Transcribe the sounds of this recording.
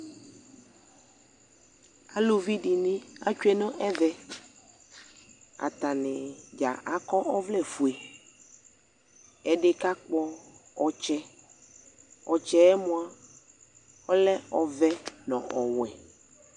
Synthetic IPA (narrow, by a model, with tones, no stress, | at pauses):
a˨lo˦vi˦ɖi˨nĩ˦a̰˦t͡ʃu˦e˦nɔ̃˦ʔɛ˦vɛ˦ | a̰˨t̪a˨nẽ˨d͡ʒa̰˨ʔa˨kɔ˦ʔɔ˦vlɛ˦˨fu˨e˨ | ɛ˨ɖe˦ka˦k͡pɔ˦ɔ˨t͡ʃɛ˦ | ɔ˨t͡ʃɛ˦ɛ˦mõ˦a˦ | ɔ˦lɛ˦ɔ˨vɛ˦nɔ̰̃˨ʔɔ˨w̃ɛ̰˨